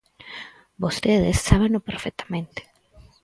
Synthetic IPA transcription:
bost̪eðesːaβenopeɾfek̚t̪ʰḁmẽnt̪e̥

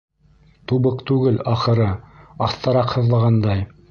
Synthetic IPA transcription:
t̪uβɤqt̪ʉɡɘlɑχɤ̆ɾɤɑθt̪ɑɾɑqhɤ̆ðlˠɑʁɑnd̪ɑj

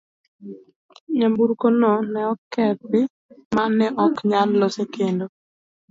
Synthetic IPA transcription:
ɲambuɾkononɛɔkɛbɪ | manːɛʔɔkɲalːosekendo

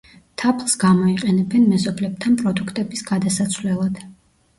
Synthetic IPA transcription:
t̪ʰapʰlˠsɡamɔiqʼɛnɛbɛnmɛzɔblɛb̚t̪ʰanpʼɾɔd̪ukʰt̪ʼɛbisɡad̪asat̪sʰvlɛlˠad̪̥

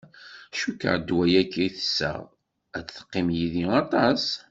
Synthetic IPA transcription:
ʃukːə̰ʕd̪wæjækːiθə̥sːə̰ʁ | æt͡sθə̥qːɪmjiðiɑt̪ˤɑs

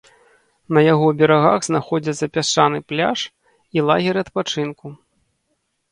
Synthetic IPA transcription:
nɐjaɣɔbʲɛɾaɣa̰ɣznaxɔd͡zʲɐt̪sɐpʲat͡ʂanɨplʲa̰ʂ | ilˠaɣʲɛɾɨɐt̪pat͡ʂɨnku

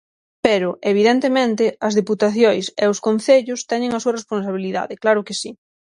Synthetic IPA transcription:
peɾʊʔeβ̞iðent̪emẽnt̪ɪɐzðeput̪aθjojseʊskon̟θeʎʊst̪ɛɲɪŋɐsuɐresponsaβ̞iliða̰ðɪklaɾʊkɪsi

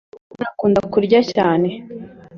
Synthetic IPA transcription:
nakuːndakuɾɟacaːne̞

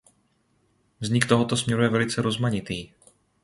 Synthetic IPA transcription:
vzɲɪkt̪o̞ɦo̞t̪o̞smɲɛɾujɛvɛlɪt͡sɛɾo̞zmaɲɪt̪iː

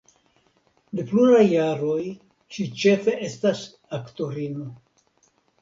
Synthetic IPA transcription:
de̞pluɾajːaɾo̞j | ʃit͡ʃe̞fe̞ʔe̞stas | akto̞ɾino̞

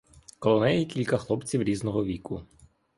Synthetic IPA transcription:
kɔlˠɔnɛjɛkʲilʲkɐxlˠɔpt͡sʲiwɾʲiznɔɦɔʋʲikʊ

